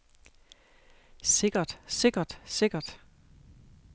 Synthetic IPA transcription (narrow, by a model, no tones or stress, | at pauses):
se̝ɡ̥ɐd̥se̝ɡ̥ɐd̥se̝ɡ̥ɐd̥